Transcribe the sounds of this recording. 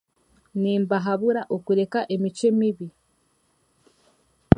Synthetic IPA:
niːmbaɦaβuɾaʔokuɾe̞kaʔe̞micemiβi

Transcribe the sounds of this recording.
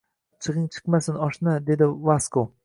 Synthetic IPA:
t͡ʃʰɨʁɪŋt͡ʃʰɨ̥qmasɪnɒʃnɪd̪e̞d̪ɪvasko

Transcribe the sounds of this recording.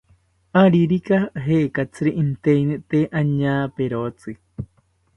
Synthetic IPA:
aɾiɾikaɦekat͡sɨɾiʔint̪einɨt̪eʔaɲaːpeɾot͡sɨ

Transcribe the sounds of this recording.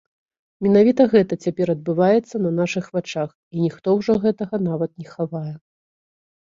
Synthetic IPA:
mʲɛnavʲit̪ɐɣɛt̪ɐt͡sʲapʲɛɾɐd̪̚bɨvajɛt̪sːɐnɐnaʂɨxvat͡ʂax | inʲixt̪ɔwʐɔɣɛt̪ɐɣɐnavɐt̪̚nʲɛxavajɛ

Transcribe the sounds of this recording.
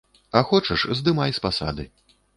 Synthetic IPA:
ɐxɔt͡ʂɐʂzd̪ɨmajʲspasa̰d̪ɨ

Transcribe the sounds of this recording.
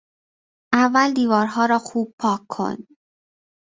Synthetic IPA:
ʔævːæld̪iːvɒːɾɦɒːɾɒːxuːb̚pʰɒːkʰːo̞̰n

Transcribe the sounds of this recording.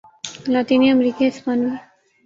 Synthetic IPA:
lat̪inijamɾikesmani

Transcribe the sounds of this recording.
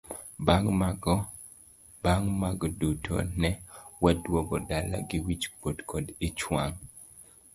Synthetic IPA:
baŋmaɡ | baŋmaɡdutʰɔ̰nɛwadwɔɡɔdala̰ɡɪwit͡ʃpodkʰɔdɪt͡ʃwaŋ

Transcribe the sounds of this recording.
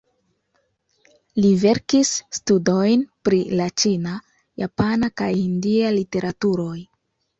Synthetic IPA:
live̞ɾkisːtudo̞jnpɾilat͡ʃina | japanakajindialite̞ɾʔatuɾo̞j

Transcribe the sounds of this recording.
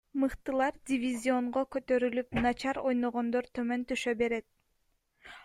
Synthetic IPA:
mɯqt̪ɯlˠɑɾdʲɪvʲizʲio̞ɴʁokø̞t̪ø̞ɾylypnɑt͡ʃɑɾo̞jno̞ʁo̞nd̪oɾt̪ʰømø̞nt̪yʃø̞be̞ɾe̞t̪̚

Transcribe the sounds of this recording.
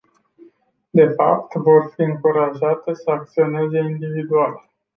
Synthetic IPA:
d̪e̞fa̰pt̪vo̞rfiɨŋkuɾaʒat̪əsəak̚t̪sio̞ne̞zeind̪ivid̪ualə

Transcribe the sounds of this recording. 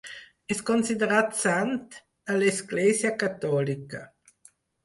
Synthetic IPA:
ɛskonsid̪eɾat̪sant̪ | alesɡleːzjakat̪ːɔlika

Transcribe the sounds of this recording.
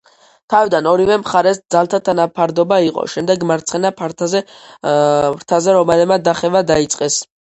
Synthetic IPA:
t̪ʰavid̪anɔɾivɛmχaɾɛsd̪zalˠt̪ʰat̪ʰanapʰaɾd̪ɔbaiqʼɔ̰ʃɛmd̪ɛɡmaɾt̪sχɛnapʰaɾt̪ʰzɛ | ɾt̪ʰazɛɾɔmalɛmad̪aχɛvad̪ait̪sʼqʼɛs

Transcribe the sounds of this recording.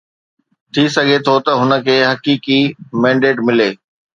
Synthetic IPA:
t̪ʰisɐɡʱet̪ʰot̪ɐɦʊnə̆kʰeːɦɐkiːkimɛ̃ːɳɖeːʈmɪleː

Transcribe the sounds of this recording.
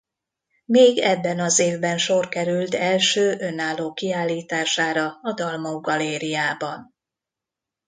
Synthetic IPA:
meːɡɛbːɛnɒzeːvbɛnʃo̞rkɛɾylt̪ɛlʃøːʔø̞naːloːkiaːlːiːt̪aːʃaːɾɒɒd̪ɒlmɒuɡɒleːɾijaːbɒn

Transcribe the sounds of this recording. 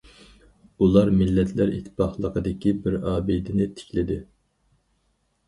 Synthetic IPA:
ulˠɑɾmɪlːɛt̪ʰlæɾḭt̪ʰːɪ̥pɑχlˠəqʰəd̪ɪkʲibɪɾɑːbid̪ɪnɪt̪ʰɪ̥kʲlɪd̪ɪ

